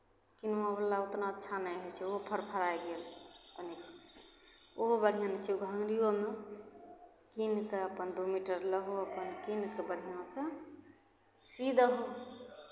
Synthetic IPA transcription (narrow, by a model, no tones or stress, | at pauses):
kinabəlːaut̪naətːʃʰanəjɦojt͡ʃʰɛoɦpʰəɾpʰəɾaeɡelt̪ənik | oɦobəɽ̤ʱijãnɛt͡ʃʰiuɡʱəŋɾijome | kinkeəpənd̪umiʈəɾləɦoəpənkinkebəɽ̤ɦijãsə̃ | sid̪ʱɦo